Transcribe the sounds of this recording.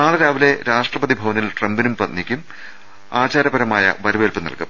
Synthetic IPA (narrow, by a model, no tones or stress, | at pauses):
naːɭɨɾaːʋile̞ɾaːʂʈrɐpɐðibʱɐʋɐnilʈrembinumprɐt̪nikʲːum | aːt͡ɕaːɾɐbɐɾɐmaːjɐ̰ʋɐɾʋeːlpɨnɐ̰lkɨm